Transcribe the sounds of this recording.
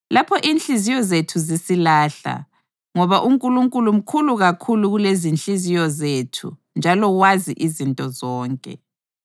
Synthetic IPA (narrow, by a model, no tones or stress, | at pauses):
lapʰɔʔint͡ɬizijɔzetʰuzisilaːɬa̰ | ŋɔβaʔuŋkʼuluŋkʼulum̩kʰuluɣakʰuluɣulezint͡ɬizijɔzetʰṵ | nd͡ʒʱalɔwaziʔizintʼɔzɔːŋkʼɛ̰